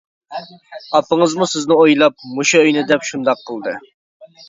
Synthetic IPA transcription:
ɑpəŋəzmusɪznɪojlˠɑp̚muʃɑøjnɪd̪ɛpʃund̪ɑqʰːəlˠd̪ɨ

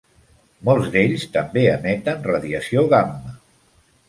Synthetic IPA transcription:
molˠzd̪eʎst̪əmbeəmɛt̪ənrəðiəsioðamːə

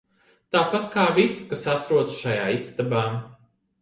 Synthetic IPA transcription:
t̪aːpat̪kaːviskasat̪ɾuɔd̪sʃajaːist̪abaː

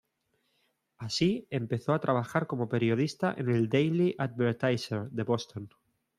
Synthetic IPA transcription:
asie̞mpe̞θo̞at̪ɾaβ̞axaɾko̞mo̞pe̞ɾjo̞ð̞ist̪aʔe̞̰ne̞ld̪ejliʔad̪̚βeɾt̪ajseɾðe̞βo̞st̪o̞n

